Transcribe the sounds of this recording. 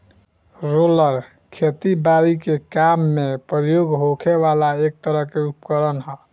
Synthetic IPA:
ɾoləɾ | kʰet̪ibaɾikekamːepɾəjoɡɦokʰeβalaek̚t̪əɾəɦkeupkəɾənɦə

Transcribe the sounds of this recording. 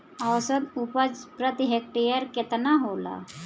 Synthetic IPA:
əwsəd̪upət͡spɾət̪iɦek̚ʈijəɾkɪt̪naɦoːla̰

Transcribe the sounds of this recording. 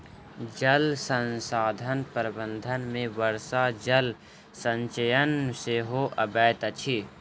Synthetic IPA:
d͡ʒɐlsə̃nsaːd̪ʱənpəɾbə̃nd̪ʱənmẽʋəɾsad͡ʒɐl | sɐ̃ɲt͡ʃəjənseɦoʔɐbɛːt̪ɐt͡ʃʰi

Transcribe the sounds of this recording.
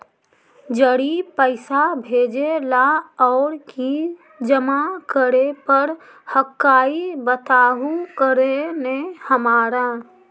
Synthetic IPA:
d͡ʒəɽipəɪsabʱeːd͡ʒelaɔːɾki | d͡ʒəmakəɾepəɾ | həkːaːibət̪aːɦukəɾenehəmaːɾa

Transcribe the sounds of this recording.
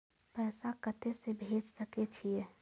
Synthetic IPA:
pɛːsakət̪esebʱeːd͡ʒsəket͡ʃʰie

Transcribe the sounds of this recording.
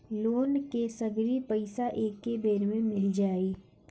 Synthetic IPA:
loːnkesɐɡɾipəɪsaʔeːkːebeːɾmẽmɪld͡ʒaːe

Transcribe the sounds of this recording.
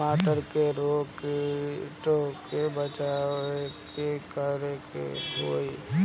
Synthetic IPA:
aːʈəɾkeɾoːkeʈoːkebət͡ʃaːekekəɾekḛɦoːi

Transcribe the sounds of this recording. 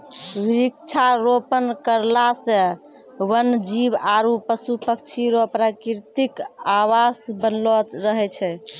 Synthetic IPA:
ɾik̚t͡ʃʰaɾopənkəɾlasẽ | wənd͡ʒibaɾupəsupək̚t͡ʃʰiɾopɾakiɾt̪ikawasbənlɔt̪ɾəɦɛt͡ʃʰɛ

